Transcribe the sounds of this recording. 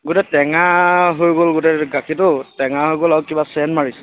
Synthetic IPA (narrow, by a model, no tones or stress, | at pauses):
ɡutɛtɛŋaɦojɡolɡutɛɡakʰitʊtɛŋaɦojɡolaʊkibasɛnmaɹisɛ̥